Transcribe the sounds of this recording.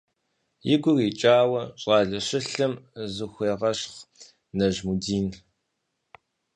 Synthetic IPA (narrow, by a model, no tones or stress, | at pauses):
jɪɡʷʊriːt͡ʃʼaːwɐɕʼɑːɮɐɕɪɬɐmzɨxʷeːʁɐɕχ | nɐʒmudiːn